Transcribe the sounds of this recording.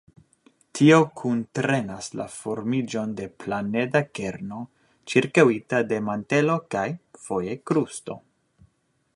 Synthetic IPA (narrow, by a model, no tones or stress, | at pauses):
tʰio̞kʰuntɾe̞nasla̰fo̞ɾmid͡ʒo̞nde̞plane̞dake̞ɾno̞ | t͡ʃiɾkawitade̞mante̞lo̞kajfo̞je̞kɾusto̞̰